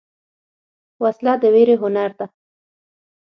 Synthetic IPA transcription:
waslɑd̪əweɾeɦʊnaɾd̪a

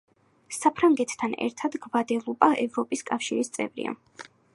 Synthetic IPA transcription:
sapʰɾaŋɡɛt̪ʰːanɛ̰ɾt̪ʰad̪ɡvad̪ɛlˠubʼaʔɛvɾɔpʼiskʼafʃiɾist̪sʼɛ̰vɾḭa̰

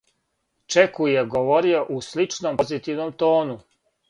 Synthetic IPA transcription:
t͡ʃekujeɡoʋo̞ɾio̞ʔuslit͡ʃnompozit̪iʋnomt̪o̞ːnu

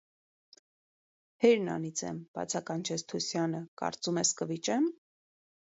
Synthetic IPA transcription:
hɛɾnɑ̰nit͡sʰɛ̰mb̥ɑ̰t͡sʰɑkɑnt͡ʃʰɛst̪ʰusjɑnəkɑ̰ɾt͡sumɛskəvit͡ʃɛm

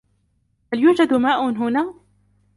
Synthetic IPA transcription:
haljuːd͡ʒad̪maːʔʊnɦʊnaː

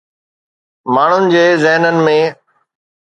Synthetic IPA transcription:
maːɳ̤ʊnɪ̆d͡ʑeːzɪɦnənɪ̆mẽː

